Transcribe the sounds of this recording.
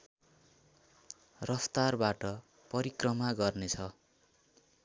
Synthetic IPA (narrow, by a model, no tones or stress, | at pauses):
rʌst̪arbaʈʌ | pʌɾikrʌmaɡʌrnet͡sʰʌ